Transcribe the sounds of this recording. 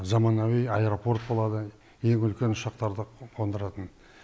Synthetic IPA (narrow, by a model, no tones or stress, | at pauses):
zɑmɑnawijaeɾo̞po̞rt̪̚bo̞lˠɑd̪ə | je̞ŋʏlkʲe̞nʊʃɑq̚t̪ɑɾd̪əqʰo̞nd̪əɾɑt̪ən